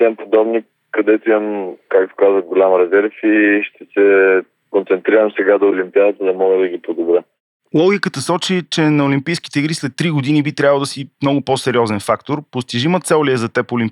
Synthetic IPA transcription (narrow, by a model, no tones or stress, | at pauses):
t̪ɛmpod̪ɔbni | kɐd̪ɛt̪oimɐmkak̚t̪o̥kazvəɡolʲamɾɛzɛɾfiʃt̪ɛsɛ | kõnt̪sɛnt̪ɾiɾəmsɛɡad̪oːlʲimpiad̪ət̪əd̪ɐmɔɡəd̪ɐɡʲipod̪obɾə | lˠɔɡʲikət̪əsɔt͡ʃit͡ʃɛnɐolʲimpijsk̟i̥t̪ɛiɡɾislɛt̪ːɾiɡʊd̪inibit̪ɾʲavəlˠd̪ɐsimnɔɡʊposɛɾʲiɔzɛnfakt̪oɾpost̪iʒimot̪sɛlwliɛzɐt̪ɛpolimp